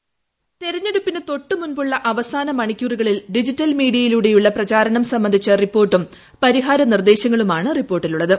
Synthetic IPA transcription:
t̪e̞ɾɐɲːe̞ɽupːinɨt̪o̞ʈːɨmunbuɭːɐʔɐʋɐsaːnɐmɐɳikʲːuriɣɐɭilɖid͡ʑitːɐlmiːɽijɐjiluɽe̞juɭːɐprɐt͡ɕaːɾɐɳɐmsɐmːɐnd̪ʱit͡ɕːɐripːo̞ːrʈːum | pɐɾiɦaːɾɐnird̪e̞ːɕjɐŋːɐɭumaːɳɨripːo̞ːrʈːiluɭːɐðɨ

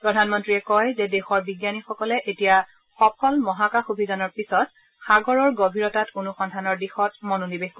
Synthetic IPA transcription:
pɹɔdʱanmɔntɹiɛkɔjzɛdexɔɹbiɡjanixɔkɔlɛʔetija | xɔpʰɔlmɔɦakaxubʱizanɔɹpisɔt | xaɡɔɹɔɹɡobʱiɹɔtatkunuxɔndʱanɔɹdixɔtmɔnonibexkɔ

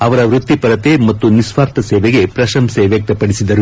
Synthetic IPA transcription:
ɐʋɐɾɐʋɾut̪ːipɐɾɐt̪emɐt̪ːunisʋaːɾt̪ʰɐsɛːʋeɡe̞pɾɐʃɐmseʋjɐk̚t̪ɐpɐɽisid̪ɐɾu

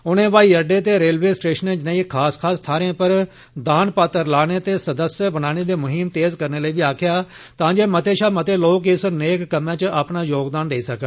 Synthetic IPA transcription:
ʊnẽːʋaːiːəɖeːt̪̬eːɾeːlʋeːsʈeːʃənẽːd͡ʒɪnãːikʰaːskʰaːst̪ʰaːɾẽːpəɾ | d̪aːnpaːt̪əɾlaːneːt̪eːsəd̪əsjəbənaːñeːd̪eːmʊɦiːmt̪eːzkəɾneːləiːʋiːaːkʰɪjaː | t̪ãːd͡ʒeːmət̪eːʃaːmət̪eːloːkɪsneːkːəmãːt͡ʃəaːpnaːjoːɡd̪aːnd̪eiːsəkː

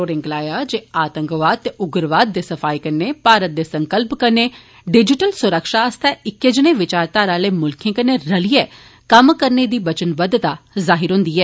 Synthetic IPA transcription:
oːɾɪ̃ŋɡlaːjaːd͡ʒeːaːt̪ə̃ŋkʋaːt̪ːeʔʊɡɾʋaːd̪̚ːeːsəfʰaːikəɾneːpaːɾət̪̚d̪eːsə̃ŋkəlpkəɾneː | ɖɪd͡ʒɪʈəlsʊɾəkʃaːəst̪ɛɪkːed͡ʒneːʋɪt͡ʃaːɾt̪aːɾaːleːmʊlkʰẽːkəneːɾəlieː | kəmkəɾned̪iːbət͡ʃənbəd̪t̪aːzaːɦɪɾɦʊ̃nd̪iːɦɛː

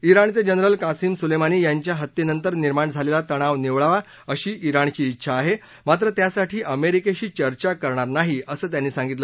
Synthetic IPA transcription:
iɾaɳt͡sed͡ʑənɾəlkasiːmsulemaniːjaɲt͡ɕjaɦət̪ːinənt̪əɾniɾmaɳd͡zʱalelat̪əɽ̃aʋniʋɭaʋa | əɕiːʔiɾaɳt͡ɕiːtːɕʰaːɦe | mat̪̬ɾət̪jasaʈʰiːʔəmeɾikeɕiːt͡ɕəɾt͡ɕakəɾɳaɾnaɦiəsəːt̪̬janːiːsãŋɡit̪lə

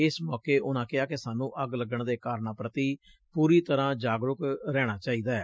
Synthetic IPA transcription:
ɪsmɔːkeːʔʊnãːkɪaːkɪsaːnũːʔəɡləɡəɳd̪eːkaːɾnaːpɾət̪iː | puːɾiːt̪əɾãːd͡ʒaːɡɾʊkɾɛːɽ̃aːt͡ʃaːiːd̪aːɛː

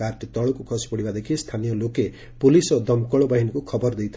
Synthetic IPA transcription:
arʈit̪ʌɭokokʰʌspʌɽimad̪ekʰist̪ʰanijʌloke | pulisʌd̪ʌmkʌɭbʌɦinkokʰʌbʌrd̪ijt̪ʰ

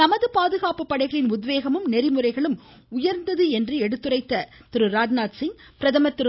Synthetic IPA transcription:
nɐmɐðɯpaːðɯɣaːpɯpːɐɽɐɪɣɐɭɪnʊd̪ʋeːɣɐmɯmnɛrɪmɯrɐɪɣɐɭɯm | ʊjɐɾnd̪ɐðɯɛndrɯɛɽɯt̪ːɯrɐɪt̪ːɐ | t̪ɪɾɯɾaːd͡ʒnaːʈsɪŋ | pɪɾɐðɐmɐt̪ːɪɾɯ

